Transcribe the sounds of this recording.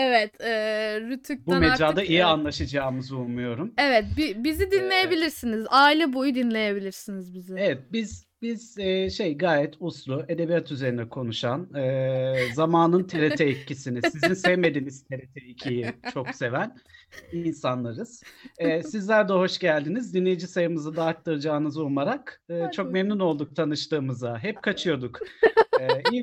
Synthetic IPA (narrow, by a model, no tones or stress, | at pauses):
evɛt̪ɛːɾyt̪ʰyk̚bumed͡ʒaːd̪aijianlˠaʃɯd͡ʒaːmɯzulˠmujo̞ɾumevɛt̪̚bibizid̪inlʲe̞jebilʲiɾsinizaːilʲɛbojud̪inlʲe̞je̞bilʲiɾsinizbizɪevɛt̪̚biz̥ | biz̥ɛːʃe̞jɡaːjɛt̪ʰusɾˠue̞d̪e̞bijat̪ʰyze̞ɾind̪ɛkʰo̞nuʃanɯːzamaːnɯnt̪ʰe̞ɾet̪ʰɛicːisinisizinsɛvme̞d̪iniz̥t̪ʰe̞ɾet̪ʰeicʰijit͡ʃʰo̞kse̞væninsanlˠaɾɯz̥ɛːsizlʲæɾd̪ɛɦo̞ʃɟælʲd̪inizd̪inlːʲejid͡ʒisajɯmɯzɯd̪aːk̚t̪aɾɯd͡ʒaːnɯzomaɾakɯːt͡ʃʰo̞kmemnuno̞lˠd̪uk̚t̪ʰanɯʃt̪ɯːmɯzaɦɛp̚kʰat͡ʃʰɯjo̞d̪ukɛi